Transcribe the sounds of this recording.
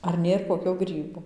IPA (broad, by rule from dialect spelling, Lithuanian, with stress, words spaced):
ɐr ˈnʲeːr koːˈkʲoː ˈɡrʲiːboː